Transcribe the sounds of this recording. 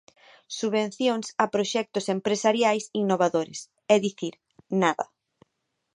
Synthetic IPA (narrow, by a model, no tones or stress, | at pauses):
suβẽn̟θjoŋsapɾoʃɛk̚t̪ʊsempɾesaɾjajsinoβ̞aðoɾḛs | ɛðiθiɾ | naðɐ